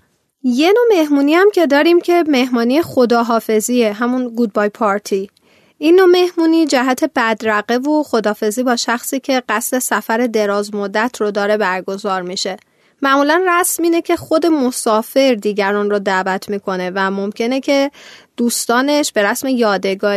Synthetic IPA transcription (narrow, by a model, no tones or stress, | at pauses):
je̞no̞me̞hmuːniæmcʰe̞d̪ɒːɾiːmcʰe̞me̞hmɒːnijexo̞d̪ɒːɦɒːfe̞zieɦæmunɡud̪̚bɒːjpʰɒːɾt̪ʰi | inːo̞me̞hmuːniːd͡ʒæɦæt̪ʰe̞bæd̪ɾæɣe̞voxo̞d̪ɒːfe̞ziːbɒːʃæxsiːcʰe̞ɢæsɾe̞sæfæɾe̞d̪e̞ɾɒːzmod̪ːæt̪ʰɾod̪ɒːɾe̞bæɾɡo̞zɒːɾmiʃe̞ | mæmuːlænræsmiːne̞cʰe̞xod̪e̞mosɒːfe̞ɾd̪iːɟæɾɒːnrod̪æːvæt̪ʰmiːkʰo̞ne̞væmomcʰe̞necʰe̞d̪̥uːst̪ɒːne̞ʃb̥e̞ɾæsme̞jɒːd̪e̞ɡɒːɾ